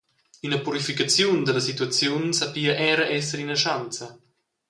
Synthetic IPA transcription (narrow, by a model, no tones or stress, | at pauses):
ynəpuɾifikat͡sjund̪əlɐs̬it̪uat͡sjunsapiːəʔɛɾəʔɛs̬əɾinəʃant͡sə